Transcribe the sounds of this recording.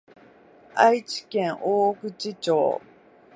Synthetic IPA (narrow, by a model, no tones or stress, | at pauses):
ait͡ɕi̥kẽŋʔoːkɯ̟t͡ɕit͡ɕo̰ː